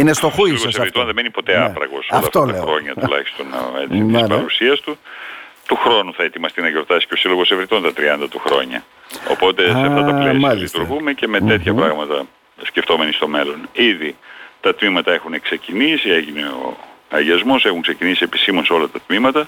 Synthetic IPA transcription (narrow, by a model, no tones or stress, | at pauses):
inest̪oloɣoseɾit̪o̞nðemenipo̞t̪e̞ɐpɾɐ̰ɣo̞̰solfɐft̪ɐɐxɾo̞ɲɐt̪ulɐ̰çi̥st̪o̞net̪intispɐɾusiɐst̪ut̪uxɾo̞nuθɐe̞t̪imɐst̪inɐʝo̞ɾt̪ɐsi̥ceo̞siloɣo̞sevɾit̪o̞nt̪ɐt̪ɾiɐnd̪ɐt̪uxɾo̞̰ɲɐ̰ | o̞̰po̞t̪e̞seɐft̪ɐt̪ɐpleislit̪uɾɣume̞ce̞me̞t̪et̪çɐpɾɐɣmɐt̪ɐ | sceft̪o̞me̞nist̪o̞me̞lo̞niðit̪ɐt̪mimɐt̪ɐe̞xunekse̞cinisie̞ʝineo̰ɐʝiɐzmo̞se̞xuŋkse̞cinisie̞pi̥simo̞nso̞lɐt̪ɐt̪mimɐt̪ɐ